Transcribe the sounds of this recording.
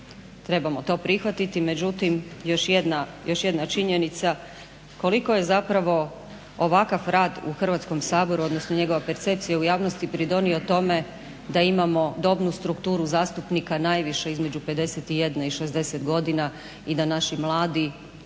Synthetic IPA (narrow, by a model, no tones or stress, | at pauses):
t̪ɾe̞bamo̞t̪o̞ːpɾixʋat̪it̪ime̞d͡ʑut̪imjo̞ʃjed̪najo̞ʃje̞d̪nat͡ʃiɲe̞nit̪sa | ko̞liko̞je̞zapɾaʋo̞ | oʋakafɾaːd̪ṵxr̩ʋat̪sko̞msaːbo̞ɾuo̞d̪nosnoɲe̞ɡo̞ʋape̞ɾt̪sep̚t̪sijaujaːʋno̞st̪ipɾid̪o̞nio̞t̪o̞me̞ | d̪aimamo̞d̪o̞bnust̪ɾukt̪uːɾuzaːst̪upnikanajʋiʃeizme̞d͡ʑupe̞d̪e̞set̪ije̞d̪naiʃezd̪e̞set̪ɡo̞d̪ina | id̪anaʃimlˠaːd̪i